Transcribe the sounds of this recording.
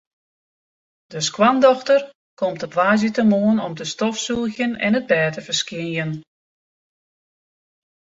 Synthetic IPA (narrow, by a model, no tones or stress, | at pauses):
d̥əskwandɔxtər | kɔmtəpʋaːzətəmoənɔmtəstɔfsuəɣjənɛ̰nəd̚bɛːtəvərskɪnjən